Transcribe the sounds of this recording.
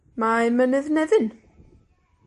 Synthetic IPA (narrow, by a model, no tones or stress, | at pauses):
maɛmənɛðnɛðɪn